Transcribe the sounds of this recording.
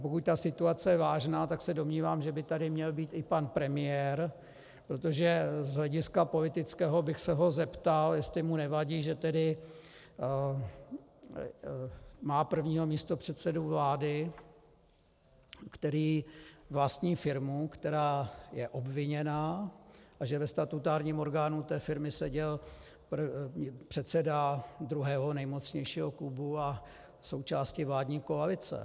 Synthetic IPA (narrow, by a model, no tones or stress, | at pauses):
pokuc̚t̪asɪt̪uat͡sɛjɛvaːʒnaːt̪aksɛdo̞mɲiːvaːmʒɛbɪt̪adɪmɲɛlbiːt̪ɪpanpɾɛmɪjɛɾ | pɾo̞t̪o̞ʒɛzɦlɛɟɪskapo̞lɪt̪ɪt͡skɛːɦo̞bɪxsɛɦozɛpt̪aljɛst̪lɪmunɛvaɟiːʒɛt̪ɛdɪ | maːpr̩vɲiːɦo̞miːst̪o̞pr̝̥ɛt̪sɛduvlaːdɪ | kt̪ɛɾiːvlast̪ɲiːfɪɾmukt̪ɛɾaːjɛʔo̞bvɪɲɛnaːʔaʒɛvɛst̪at̪ut̪aːɾɲiːmo̞ɾɡaːnut̪ɛːfɪɾmɪsɛɟɛl | prpr̥ɛt̪sɛdad̪ɾuɦɛːɦo̞nɛjmot͡sɲɛjʃiːɦoklubua | so̞wt͡ʃaːscɪvlaːdɲiːkoalɪt͡sɛ̰